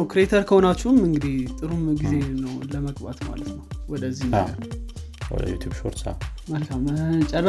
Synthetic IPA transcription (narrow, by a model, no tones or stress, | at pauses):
əwkɾet̪ʰəɾkʰəhonat͡ʃːumɨŋɡɨd̪iht̪ʼɨɾumɡize̞nəwləməɡba̰t̪ma̰lət̪nəwwɔd̪əzːi | wɔ̰d̪ə̰jṵt̪ʰjubʃo̰ɾt̪sa̰məlkʰamt͡ʃʼɛrːə